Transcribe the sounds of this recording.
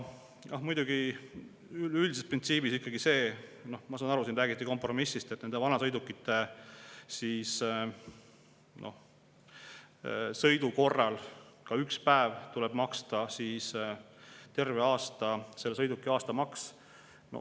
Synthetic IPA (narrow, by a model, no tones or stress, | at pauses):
nɑhmujd̪̥uɡ̥i | yylʲd̪isesprint̪siːbisikːˑɑɡise̞ːno̞hmɑsɑːnɑɾusinræːɡit̪ːiko̞mpro̞misːist̪et̪ːne̞nd̪e̞vɑnɑsɤjd̪ukːˑit̪ːe̞ | siːs | nʔo̞̰h | sɤ̞jd̪uko̞rːɑlkɑykspæevt̪ulɛb̥mɑkst̪ɑsiːs | t̪e̞rve̞ɑːst̪ɑse̞lːesɤ̞jd̪ukːˑiɑːst̪ɑmɑks | no̰